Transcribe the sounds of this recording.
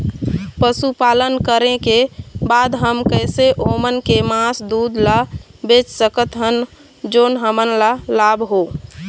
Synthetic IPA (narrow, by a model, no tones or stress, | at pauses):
pəsupalənkəɾẽkebad̪ɦəmkəɪseʔomənkemãsd̪ud̪labet͡ʃsəkət̪ɦən | d͡ʒoːnɦəmənlalabɦo